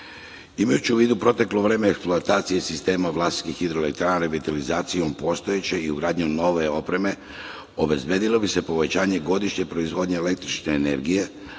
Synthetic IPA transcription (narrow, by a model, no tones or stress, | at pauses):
imajut͡ɕiuʋiːd̪upɾo̞t̪e̞klo̞ʋɾe̞ːmeːkspluat̪aːt̪sijesist̪e̞ːmaʋlˠast̪i̥k̪ixid̪ɾoelek̚t̪ɾaːnaɾeʋit̪alizaːt̪sijo̞mpo̞ːst̪o̞je̞t͡ɕe̞iuɡɾaːd̪ɲuno̞ʋe̞opɾe̞me̞ | o̞be̞zbjed̪ilˠo̞bise̞po̞ʋe̞t͡ɕaːɲe̞ɡo̞d̪iʃɲe̞pɾo̞izʋo̞ːd̪ɲeele̞k̚t̪ɾit͡ʃneːne̞̰ɾɡije̞